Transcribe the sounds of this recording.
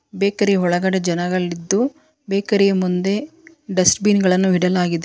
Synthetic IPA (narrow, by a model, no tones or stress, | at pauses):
beːkɐɾɛɦɔɭɐɡɐɽed͡ʒɐnɐɡɐɭːid̪ːu | beːkɐɾɛjɐmund̪e̞ | ɖɐsʈbiːnɡɐɭɐnːuiɽɐlaːɡid̪e